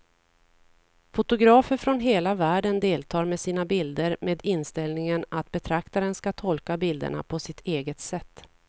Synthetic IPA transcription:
fʊt̪ʊɡɾɑːfəɾfɾɔnɦeːlavæːɖənd̪eːlt̪ʰɑːɾmesiːnabɪld̪əɾmeːd̪ɪnst̪ɛlnɪŋənat̪bɛt̪ʰɾakt̪aɾənskat̪ʰɔlkabɪld̪ə̰ɳa̰pʰɔsɪt̪ʰeːɡət̪sɛt̪ː

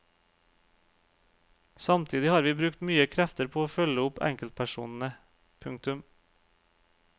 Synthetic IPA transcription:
sɑmt̪ʰiːd̪ɪhɑːɾʋiːbɾʉkt̪myːəkʰɾæft̪əɾpʰoːoːfœləʊpæ̰ŋkəlt̪̚pʰæʃṵːnn̩ə | pʰʉŋk̚t̪ʉm

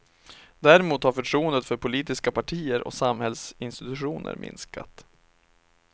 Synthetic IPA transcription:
d̪æːɾɪmuːt̪haɾfœʈʰɾuːənd̪ət̪fœɾpʰʊliːt̪ɪskapʰaʈʰiːəɾʔɔ̰samhɛlsɪnst̪ɪt̪ɵɧuːnʔə̰ɾmɪ̰nska̰t̪

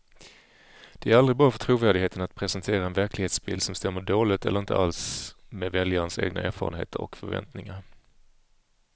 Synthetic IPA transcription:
d̪̥ɛæɾalɾɪbɑːɾafœt̪ʰɾuːvæːɖɪheːt̪ənat̪̚pʰɾɛsɛnt̪ʰeːɾaɛnvæɾklɪɡheːt̪sbɪld̪sɔmst̪ɛmːəɖoːlɪt̪ɛləɾɪnt̪ə̰ʔalsmevɛljəɾənsḛːɡna̰ʔæːɾfɑ̰ːɾə̰nhḛːt̪ʰəɾɔ̰kfœɾvɛ̰nt̪nɪŋaɾ

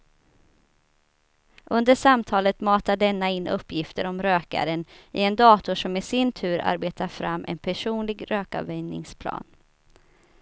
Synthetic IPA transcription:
ʔɵnd̪əʂamt̪ʰɑːlət̪mɑːt̪aɖɛnːaɪnːʔɵpːjɪft̪əɾɔmɾøːka̰ɾənɪɛnd̪ɑːt̪ʊʂɔmːɛsɪnt̪ʰʉ̟ːɾa̰ɾbeːt̪ʰaɾfɾamːʔɛ̰npʰæʂuːnlɪɡɾøːka̰vɛjnɪ̰ŋspʰlɑ̰ːn

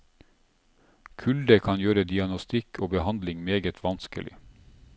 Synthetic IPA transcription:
kʰʉld̪əkʰɑnjøːɾəd̪ɪɑnɔst̪ɪkʰoːbəhɑnd̪lɪŋmeːɡət̪ʰʋɑnskə̰lɪ̰

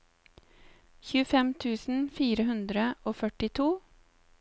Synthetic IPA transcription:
çʉːəfɛmt̪ʰʉːsn̩fiːɾəhʉnd̪ɾəoːfœʈɪt̪ʰuː

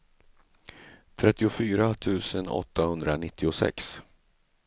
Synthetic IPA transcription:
t̪ʰɾɛt̪ːɪʊfyːɾat̪ʰʉ̟ːsənɔ̰t̪ːahɵnd̪ɾanɪt̪ʰːɪʊsɛ̰ks

